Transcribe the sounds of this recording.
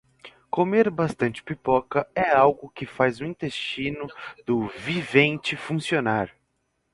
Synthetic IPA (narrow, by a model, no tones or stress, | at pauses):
komeɾbast̪ɐ̃nt͡ʃɪ̥pipɔkɐɛawɡʊkɪfajzʊĩnt̪est͡ʃĩnʊd̪ʊvivẽnt͡ʃɪfũsionaɾ